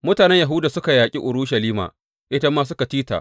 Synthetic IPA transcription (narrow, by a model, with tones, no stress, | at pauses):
mʊ˦taː˨nɛ˦ɲja˨ɦuː˦daː˨sʊ˦ka˨jaː˨kʲʼḭ˦ʔʊ˨ɾuː˦ʃɐ˨liː˦ma̰ː˨ | ʔɪ˦tɐ˦mːaː˦s̬ʊ˦ka˨tiː˦ta̰ː˨ʔ